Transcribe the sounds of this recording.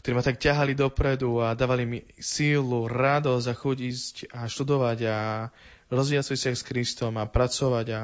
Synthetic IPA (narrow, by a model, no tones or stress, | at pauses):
kt̪ɔɾiːmat̪akcaɦalid̪ɔpɾɛd̪uad̪aːʋalimisiːluɾad̪ɔzaxuɟiscaʃt̪ud̪ɔʋaɟa | ɾɔzʋiɛat͡sɔsɪaxskɾist̪ɔmapɾat͡sɔʋaɟa